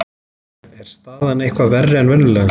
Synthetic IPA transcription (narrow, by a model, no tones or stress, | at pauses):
ɛɾ̥stt̪aːðanːehkvavɛrːɪɛnvɛnːʏlɛːɣa